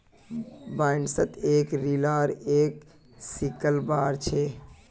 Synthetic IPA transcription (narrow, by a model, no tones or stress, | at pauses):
baɳɖsət̪ekɾilaɾek | sikəlbaɾt͡ʃʰe